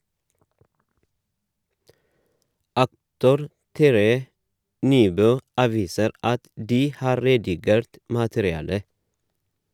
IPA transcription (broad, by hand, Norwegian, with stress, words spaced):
ˈɑktʊɾ ˈtæɾəjə ˈnyːˌbøː ˈɑːˌʋiːsəɾ ˈɑt ˈdiː ˈhɑːɾ ˈɾeːdɪˌɡeːɾt ˈmɑːtəɾɪˌɑːlə